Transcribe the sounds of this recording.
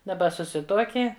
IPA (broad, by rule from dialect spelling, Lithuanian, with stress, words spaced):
dɐˈbɐ sʊˈsʲɪtuɔkʲɪ